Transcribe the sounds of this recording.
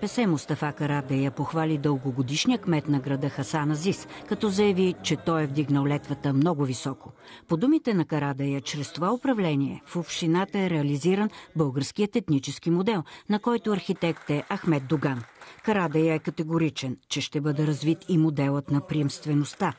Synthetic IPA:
pɛsɛmʊst̪ɐfakɐɾad̪ɛjəpoxvalid̪əlˠɡoɡod̪iʃnijəkmɛt̪nɐɡɾɐd̪əxɐsanɐziskɐt̪ɔzɐjɐvit͡ʃɛt̪ɔjɛvd̪iɡnəlˠlɛt̪vɐt̪əmnɔɡʊvisɔko̥ | pod̪umit̪ɛnɐkɐɾad̪ɛjət͡ʃɾɛst̪ovaopɾɐvlɛniɛ̰fopʃinat̪əɛɾɛɐliziɾənbɤlˠɡəɾskijət̪ɛt̪nit͡ʃɛskimod̪ɛlˠnɐkɔjt̪ʊɐɾxit̪ɛkt̪ɛʔɐxmɛd̪d̪oɡankɐɾad̪ɛjəɛkɐt̪ɛɡoɾit͡ʃɛnt͡ʃɛʃt̪ɛbɤd̪ɛɾɐzvit̪imod̪ɛlˠət̪nɐpɾiɛmst̪vɛnost̪a

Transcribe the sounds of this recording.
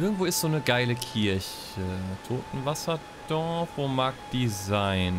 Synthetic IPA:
ʔɪɐɡŋ̩tv̥oːɪstz̥oːnəɡaɪləkʰɪɐç | ətʰoːtn̩vasɐ | d̥ɔːfoːmaːk̚d̥iːzaɪn

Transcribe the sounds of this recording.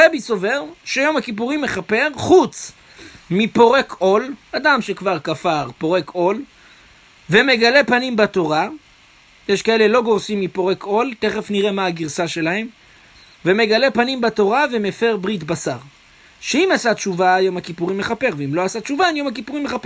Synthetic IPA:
ebiso̞ve̞ʁʃejo̞mhakipuʁimːeχape̞ʁχut͡s | mipo̞ʁe̞kʰʔo̞ladamʃe̞kvaʁkafaʁpo̞ʁe̞kʰo̞l | ve̞me̞ɡale̞panimbato̞ʁa | jeʃkae̞le̞lo̞ɡo̞ʁsimːipo̞ʁe̞kʰo̞lt̪e̞χefniʁe̞maːɡiʁsaʃe̞lahe̞m | ve̞me̞ɡale̞panimbato̞ʁave̞mefe̞ʁbʁitbasaʁ | ʃeimasatt͡ʃuvajo̞mhakipuʁimːeχape̞ʁveimlo̞asat͡ʃuvaenjo̞mhakipuʁimːeχape

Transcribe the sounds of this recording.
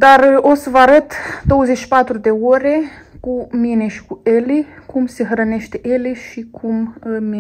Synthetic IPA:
d̪aro̞səvəaɾət̪d̪o̞wəzet͡ʃʲʃi̥pat̪ɾud̪e̞oɾekumine̞ʃi̥kuelikumse̞xɾəne̞ʃt̪eʔeliʃikʰummi

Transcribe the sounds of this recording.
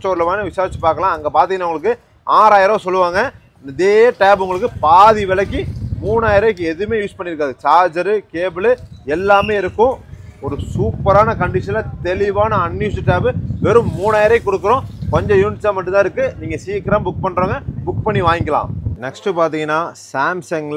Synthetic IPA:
t͡ʃːoːɾlɐʋaːnɐʋɪsaːɾɪt͡ʃːɯpaːɾkɐlãːɐŋɡɐpaːɾt̪iŋɐnːaːʊŋɡɐɭɯkːɯ | aːɾaːjɪɾõːsɔlːɯʋaːŋɡɐ | ɐðeːʈaːbʊŋɡɐɭɯkːɯpaːðiʋɪlɐkːimuːɳaːjɪɾɐk̬ːɯɛðɯmeːjuːspɐɳːɪɾɯkːaːðt͡ʃaːɾd͡ʒɐɾɯkeːbɪlɯɛlːaːmeːɪɾɯkːʊ̃ɔɾɯsuːpːɐɾaːnɐkɐɳɖɪʂɐnɪlɐt̪ɛlɪʋaːnɐɐɳːjuːsɯʈaːbɯʋɛɾɯ̃mːuːnaːjɪɾɐɪkːɔɽɯkːɯɾʊ̃kɔɲd͡ʒɐ̃juːnɪt͡ʃːaːmɐʈ̪ːãːɪɾɯkːɯniːŋɡɐsiːkːɪɾãːmbʊk̚ːpɐɳɾoːŋɡɐbʊk̚pɐɳːiʋaːjɪŋkːɐlã̰ːnɛksʈɯpaːɾt̪̬iŋɡɐnːaːsaːmsɐŋl

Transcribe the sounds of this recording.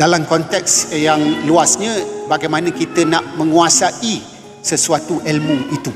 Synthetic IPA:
dalamkɔnt̪ɛksjaŋluasɲãbaɡajmãnãkit̪ənaʔmə̃ŋuasaʔi | səsuat̪uʔɛlmũit̪u

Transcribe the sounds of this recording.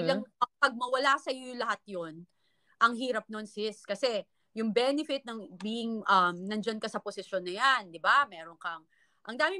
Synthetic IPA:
lɐŋɐpɐɡ̚mɐwɐlasɐjolɐhat̪̚jon | ʔɐŋɦiːɾɐp̚nonsɪskɐsɛ | jʊŋbɛnɪfɪt̪̚nɐŋbiːɪŋʔɐmnɐnd͡ʒɐnkɐsɐposɪʃjonːɐjand̪ɪbamɛːɾonkɐŋ | ʔɐŋd̪aːmɪ

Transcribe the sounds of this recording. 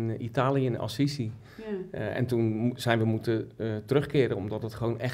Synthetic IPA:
nitaːlijəna̰sisi | ɛ̰ntunz̥ɛjnʋəmutətərøχkɪːɾənɔmdɔtdətχəʋownɛ

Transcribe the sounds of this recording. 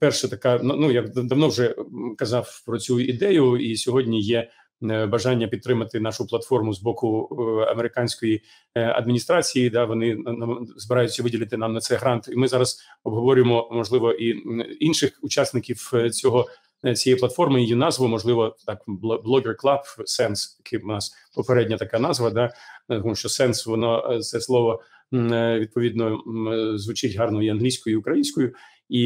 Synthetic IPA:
pɛrʃɛt̪ɐkɑnunujakd̪d̪ɐwnɔwʒɛkɐzɑwpɾɔt͡sʲuid̪ɛjʊisʲɔɦɔdʲnʲijɛ | bɐʒɑnʲːɐpʲid̪̚t̪ːɾɪmɐt̪ɪnɑʃʊplˠɐt̪fɔrmʊzbɔkʊɐ̰meɾɪkɑnʲsʲkɔji | ɐ̰d̪minʲist̪ɾɑt͡sʲijid̪ɑʋɔnɪzbɪɾɑjʊt͡sʲːɐʋɪdʲilʲˠɪt̪ɪnɑmnɐt̪sɛjɦɾɑnt̪imɪzɑɾɐz̥ɔbɦɔʋɔɾʲʊjemɔmɔʒlˠɪʋɔʔiinʃɪxʊt͡ʃɑsnɪkʲiwt͡sʲɔɦɔ | t͡sʲijɛjplˠɐt̪fɔrmɪjɪjinɑzʋʊmɔʒlˠɪʋɔt̪ɑkbblˠɔɡɛrklˠɑpsɛnsjɐkʰɪʊnɑs | pɔpeɾɛdʲnʲɐt̪ɐkɑnɑzʋɐd̪ɑt̪ɔmuʃt͡ʃɔsɛnsʋɔnɔt̪sɛslˠɔʋɔ | ʋʲid̪̚pɔʋʲid̪nɔzʋʊt͡ʃɪtʲɦɑrnɔjʊʊɐnɦlʲijsʲkʊjʊiʊkɾɐjinʲsʲkʊjʊ | i

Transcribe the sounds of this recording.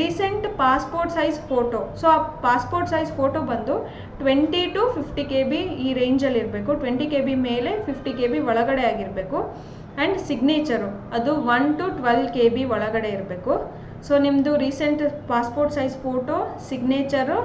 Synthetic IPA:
ɾiːseɳʈpaːspoːɾʈsɐjzpʰoːʈosoːapaːspoːɾʈsɐjzpoːʈoːbɐnd̪u | ʈʋeɳʈiʈupʰipʰʈikeːbiiːɾejɲd͡ʒɐlːiɾɐbe̞ːkuʈʋeɳʈikeːbime̞ːle̞pʰipʰʈikeːbiʋɔɭɐɡɐɽeaːɡiɾbeːku | ɐɳɖsiɡneːt͡ʃɐɾu | ɐd̪uʋɐnʈuʈʋɐlʋkeːbiʋɔɭɐɡɐɽe̞iɾbe̞ːku | soːnimɐd̪uɾiːseɳʈpaːspoːɾʈsɐjzpʰoːʈoːsiɡneːt͡ʃɐɾu

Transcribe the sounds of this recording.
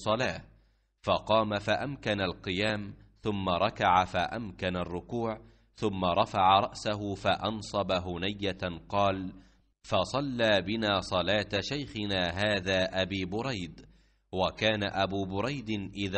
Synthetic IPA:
sˤɑlaːh | fɑqɑːmafaʔamkanalqɨjaːm | θʊmːaɾˤɑkaʕafaʔamkanarˤːʊkuːʕ | θʊmːaɾˤɑfaʕaɾˤɑʔsaɦʊfaʔɑnsˤɑbaɦʊnajːaqɑːl | fɑsˤɑlːaːbɪnaːsˤɑlaːt̪aʃajxɪnaːɦaːðaːʔabiːbʊɾajd̪ | wakaːnaʔabuːbʊɾɑjd̪ɪnʔɪð

